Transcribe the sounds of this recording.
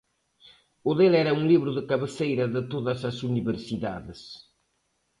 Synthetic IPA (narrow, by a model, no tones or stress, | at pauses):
ʊðelɛɾɐũŋliβɾʊðɨkɐβɨsejɾɐðɪt̪oðɐzɐsuniβeɾsiða̰ðɪs